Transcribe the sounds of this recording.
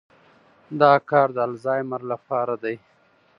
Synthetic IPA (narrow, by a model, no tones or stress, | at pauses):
d̪ɑːkɑːɾd̪əalzɑːjmaɾlapɑːɾad̪aj